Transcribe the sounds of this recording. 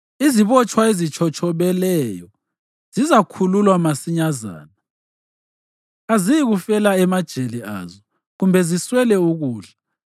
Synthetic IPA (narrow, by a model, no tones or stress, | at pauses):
iziβɔt͡ʃʰʼwaezit͡ʃʰɔt͡ʃʰɔβɛlɛːjɔ | z̥izakʰululwamasiɲaza̰ːna | azijiɣufɛlaɛmad̥ʒ̥ʱelia̰ːzɔ | ɣumbʱɛziswɛlɛuɣuːɮa